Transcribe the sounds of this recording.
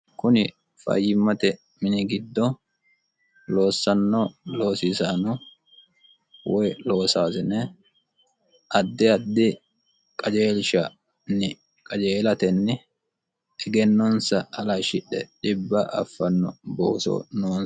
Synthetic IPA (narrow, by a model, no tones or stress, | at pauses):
kʊnɪ | fɐ̰jːɪmːɐt̪ɛ | mɪnɪɡɪd̪ːɔ | lo̞ːsːɐnːɔlo̞ːsisaːnɔ | wɔjloːsaːsɪnɛ | ʔɐd̪ːɪɐd̪ːɪ | kʼɐd͡ʒe̞ːlʃɐ | nːɪ | kʼɐd͡ʒeːlɐt̪ɛnːɪ | ɛɡɛnːɔnsɐɐlɐʃɪɗɛɗɪbːɐʔɐfːɐnːɔ̰bo̰ːsɔ̰noːn